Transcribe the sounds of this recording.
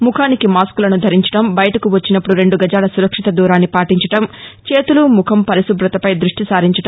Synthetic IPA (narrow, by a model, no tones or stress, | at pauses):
mukʰaːnikimaːskulɐnud̪ʱɐɾiɲt͡ʃɐ̥ʈɐmbɐjɐʈɐkuʋɐt͡ʃːinɐpːuɽuɾe̞ɳɖuɡɐd͡ʒaːlɐsuɾɐkʂit̪ɐd̪uːɾaːnːipaːʈiɲt͡ʃɐʈɐmt͡ʃeːt̪ulumukʰɐmpɐɾisubɾɐt̪ɐpɐjd̪ɾuʂʈisaːɾiɲt͡ʃɐʈɐ